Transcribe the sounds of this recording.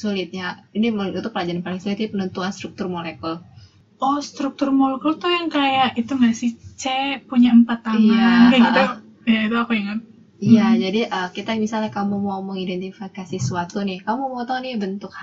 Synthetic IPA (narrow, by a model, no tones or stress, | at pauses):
sulɪt̪̚ɲainiməut̪ʊpəlad͡ʒaɾanpaliŋsulɪt̪̚ɲapənənt̪uanst̪ɾuk̚t̪ʊrmolekəl | ʔɔhst̪ɾuk̚t̪ʊrmolekəlt̪ujaŋkajaʔit̪uŋasit͡ʃɛpuɲaəmpat̪ːaŋandɛit̪u | jait̪uakuiŋət̪̚ | iad͡ʒadiʔəkit̪ajaŋbisalɲakamumauməŋidɛnt̪ifikasiswat̪unɪhkamumat̪aunɪbənt̪ʊk̚h